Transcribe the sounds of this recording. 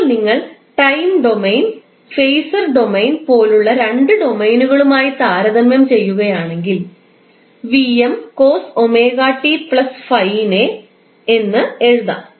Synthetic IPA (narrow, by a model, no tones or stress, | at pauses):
niŋːɐɭʈɐjmɖo̞mejn | fejsɐrɖo̞mejnpo̞ːluɭːɐɾeɳɖɨɖo̞mejnuɣɐɭumaːjit̪aːɾɐðɐmjɐmt͡ɕe̞jːuɣɐjaːɳe̞ŋɡil | ʋiemkoːsome̞ːɣaːʈːipɭɐsfɐjne | enːɨe̞ɻuðɐ̰